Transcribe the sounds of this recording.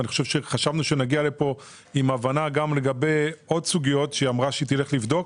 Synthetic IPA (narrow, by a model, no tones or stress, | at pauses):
niχo̥ʃe̞vʃeχaʃavnuʃenaɡialepo̞ | imavanaɡamle̞ɡabe̞jo̞dsuɡijo̞t̪ʃeamʁaʃeit̪ile̞χlivd̪o̞k